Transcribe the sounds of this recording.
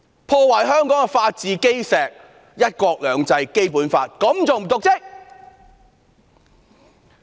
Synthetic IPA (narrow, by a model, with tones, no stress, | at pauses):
pʰɔː˧wɐ˨˩jɦœː˥ŋkɔː˨˥ŋɛ˧faː˧t̚t͡siː˨ke˥jsɛː˨k̚ | jɐ˥t̚kʷɔː˧k̚lœː˨˧ŋt͡sɐ˧jke˥jpuː˨˥nfa̰ː˧t̚kɐ˨˥mt͡so˨wm̩˨˩t̪ʊ˨k̚t͡sɪ˥k̚